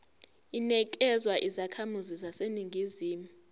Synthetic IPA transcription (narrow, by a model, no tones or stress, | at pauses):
inɛk̬ʼɛzwaʔizakʰamuzizaseniŋɡʱiziːmu